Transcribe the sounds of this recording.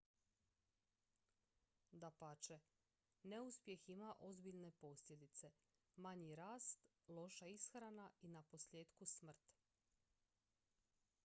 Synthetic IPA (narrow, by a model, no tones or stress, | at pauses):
d̪apat͡ʃe | ne̞uspje̞ximaʔo̞zbiʎne̞po̞sʎʲe̞d̪it̪se̞ | maɲiɾaːst̪ | lˠo̞ʃaisxɾanainapo̞sʎʲe̞ːd̪kusmr̩t̪